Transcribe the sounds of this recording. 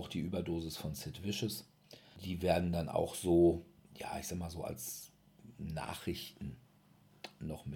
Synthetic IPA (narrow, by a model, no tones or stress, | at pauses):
ʊxd̥iːʔyːbɐdoːzɪsfɔnsɪtv̥ɪʃəs | d̥iːveːɐdn̩dana̰ʊxz̥oːjaːɪçz̥aːɡəmaːlzoːa̰ls | na̰ːχʁ̥ɪçtn̩ | nɔχmɪ